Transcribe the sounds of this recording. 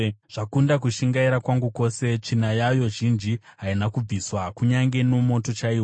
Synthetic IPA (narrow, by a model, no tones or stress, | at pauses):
ʐ̥akundak̬uʃiŋɡaiɾakwaŋɡuko̞se̞t͡ʂinajajo̞ʒind͡ʒiɦainakub͡viswakuɲaŋɡe̞no̞mo̞to̞t͡ʃaiːwo